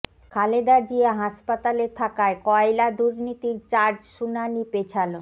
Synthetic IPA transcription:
kʰaled̪ad͡ʑiaɦaʃpat̪aleɾt̪ʰakaekɔelad̪uɾnit̪iɾt͡ɕaɾd͡ʑʃunanipet͡ɕʰalo

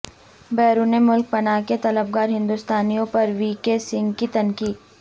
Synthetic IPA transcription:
bɛːɾuːnemʊlk̚pɐnaːket̪ɐləb̚ɡaːɾɦɪ̃nd̪uːst̪aːnijõpɐɾʋiːkesɪ̃ŋɡkit̪ɐnkiː

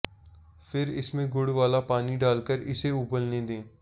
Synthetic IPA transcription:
fʰɪɾɪ̰smẽɡʊɽʋaːlapaːniɖaːlkəɾɪ̰seʊbəlnẽːd̪ẽː

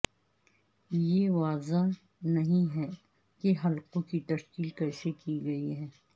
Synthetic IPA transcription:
jeʋaːza | nɐɦĩɦɛ | keɦɐlqõkit̪ɐʃkiːlkɐɾʃekiɡɐiɦɛː

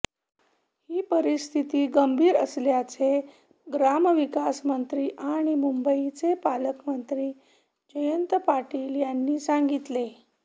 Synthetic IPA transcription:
hiːpəɾist̪ʰit̪iːɡəmbʱiːɾəsljat͡se | ɡɾaməʋikasmənt̪ɾiːʔaɽ̃imumbəit͡sepaləkmənt̪ɾiː | d͡ʑəjənt̪paʈiːljanːiːsaŋɡit̪le

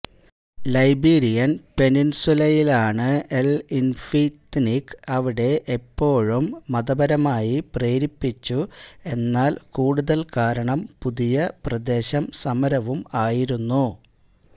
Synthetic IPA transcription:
lɐjbiːɾijɐnpe̞ninsulɐjilaːɳɨe̞linfit̪nikɐʋiɽe̞ʔepːo̞ːɻumːɐðɐbɐɾɐmaːjipreːɾipːit͡ɕːue̞nːaːlkuːɽuðɐlkaːɾɐɳɐmpuðijɐprɐd̪e̞ːɕɐmsɐmɐɾɐʋumaːjiɾunːu

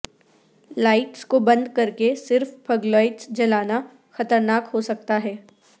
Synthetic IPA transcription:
laːɪʈskobɐ̃nd̪kɐɾkesɪɾfpʰɐɡlɔːɪʈsd͡ʒɐlaːna | xɐt̪əɾnaːkɦosɐk̚t̪aɦɛː

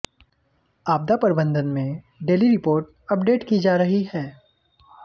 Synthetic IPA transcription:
aːb̚d̪apɐɾɪbə̃nd̪ənmẽ | ɖeːliɾɪpoːɾʈ̚ | ɐp̚ɖeːʈkid͡ʒaːɾɐɦiɦɛː

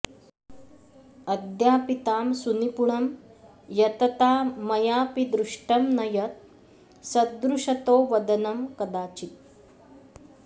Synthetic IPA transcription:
ɐd̪jaːpit̪aːmsunipuɳɐm | jɐt̪ɐt̪aːmɐjaːpid̪ɾuʂʈɐmnɐjɐt̪̚ | sɐd̪ɾuʂɐt̪oːʋɐd̪ɐnɐmkɐd̪aːt͡ʃit̪̚

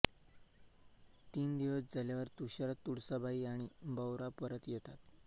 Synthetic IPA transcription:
t̪iːnd̪iʋəsd͡zʱaljaʋəɾt̪uɕaɾat̪ːuɽsəbʱaiːaɽ̃ibəwɾapəɾət̪jɛt̪at̪

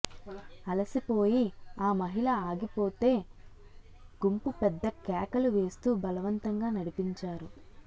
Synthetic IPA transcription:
ɐlɐsipo̞ːjiaːmɐɦilɐaːɡipo̞ːt̪e̞ː | ɡ̥umpupɛd̪ːɐkɛːkɐluʋe̞ːst̪uːbɐlɐʋɐnt̪ɐŋɡaːnɐɽipiɲt͡ʃaːɾu

